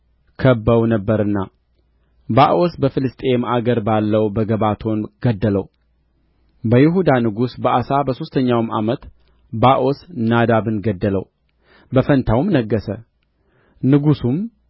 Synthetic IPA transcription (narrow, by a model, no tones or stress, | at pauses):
kʰəbːəwnəbːəɾɨnːa | baʔo̞sbəfɨlɨst̪ʼe̞mʔaɡəɾbalːəwbəɡəβat̪ʰo̞nɡ̥əd̪ːələ̰w | bəjɪɦud̪anɨɡusbəʔasabəso̞st̪ʰəɲːawma̰mət̪ | baʔosnad̪aβɨnɡəd̪ːələw | bəfənt̪ʰawmnəɡːəsə | nɨɡusum